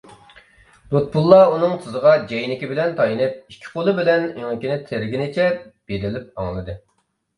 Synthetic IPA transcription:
d̪ot̪̚pʰulˠːɑunɨŋt̪ʰɨzəʁɑd͡ʒɛjnɪkʲibɪlɛnt̪ʰɑjinɨp̚ikʲʰːɪ̥qʰolˠɨbɪlɛnyŋɪkʲinɪt̪ʰɪɾɡʲinɪt͡ʃʰɛb̥ed̪ɪlɪp̚ɑŋlˠɨd̪ɨ

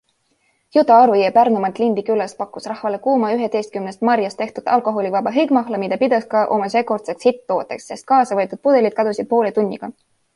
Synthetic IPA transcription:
jut̪ːɑɑɾuiepærnumɑt̪ːˑlind̪̥ikylːɑst̪̚pɑkːˑusrɑhvɑle̞kuːmɑyɦe̞d̪̥e̞jst̪̚kymnest̪mɑɾjɑst̪e̞ht̪ud̪ɑlko̞ɦolʲivɑbɑɦɯjɡmɑɦlɑmid̪̥ɑpid̪̥ɑskɑʔo̞mɑse̞ːko̞rt̪sekshit̪ːo̞ːt̪ːˑeksːest̪̚kɑːsɑvɤt̪ːˑud̪̚pud̪e̞lid̪̥̚kɑd̪usid̪̚po̞ːlet̪unʲːḭɡ̥ɑ

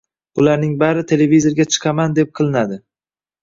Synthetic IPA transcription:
bʊlaɾnɪŋbaɾɪt̪ʰe̞le̞vizo̞ɾɡʲat͡ʃʰɨ̥qʰɑmand̪e̞p̚qʰɨlˠɪnad̪ɪ

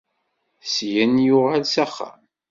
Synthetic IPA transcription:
sjænjʊʁalsæχːæ̰m

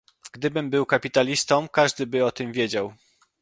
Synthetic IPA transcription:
ɡd̪ɘbɘmbɘwkapʲit̪alʲist̪ɔmkaʐd̪ɘbɘɔt̪ɘmvʲjed͡ʑaw

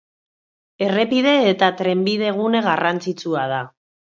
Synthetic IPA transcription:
e̞re̞pið̞e̞ːt̪at̪ɾe̞mbið̞e̞ɣ̞une̞ɣarant͡sit͡suað̞a

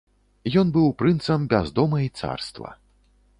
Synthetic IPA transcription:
jɔnbɨwpɾɨnt̪sɐmbʲazd̪ɔmɐit̪sa̰rst̪vɐ̰

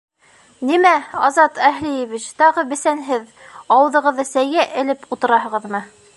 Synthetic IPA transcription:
nimæɑzɑt̪ʰæɦlijɘβit͡ɕt̪ɑʁɤbɘ̆sænɦɘðɑwɤ̆ðɤ̆ʁɤ̆ðɤsæjɡæʔɘ̆lɘput̪ɤ̆ɾɑɦɤ̆ʁɤ̆ðmɤ

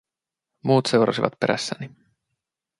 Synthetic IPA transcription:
muːt̪se̞wɾɑsiʋɑt̪̚pe̞ɾæ̰sːæni

